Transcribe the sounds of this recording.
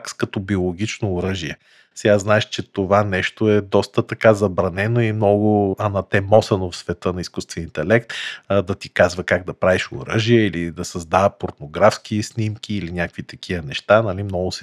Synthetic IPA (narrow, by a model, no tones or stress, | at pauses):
kskɐt̪ɔbiolˠoɡʲit͡ʃnoːɾəʒiɛ | sɛɡaznaɛʃt͡ʃɛt̪ovanɛʃt̪oɛd̪ɔst̪ət̪ɐkazɐbɾɐnɛnoimnɔɡʊɐnɐt̪ɛmɔsɐnofsvɛt̪ɤnɐiskust̪vɛniint̪ɛlɛkt̪d̪ɐt̪ikazvəkaɡ̚d̪ɐpɾaviʃo̰ɾə̰ʒiɛilid̪ɐsɐzd̪avəpoɾt̪noɡɾafsk̟isnʲimkʲiːlinʲjakvit̪ɐk̟ʰiənɛʃt̪anɐlimnɔɡʊsɛ